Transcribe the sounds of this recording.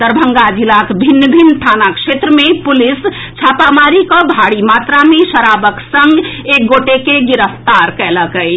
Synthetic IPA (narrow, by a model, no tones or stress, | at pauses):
d̪əɾbʱəŋɡad͡ʒilakbʱinːəbʱint̪ʰanakʃʰet̪ɾəmepulis | t͡ʃʰapamaɾikəbʱaɽimat̪ɾamesəɾabəksəŋɡek̚ɡoʈekeɡiɾəft̪aɾkɛləkəj